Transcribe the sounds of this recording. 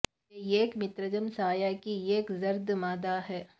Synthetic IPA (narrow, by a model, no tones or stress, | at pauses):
ejeːkmɪt̪ɾəd͡ʒəmsaːjakieːkzɐɾd̪maːd̪aɦɛː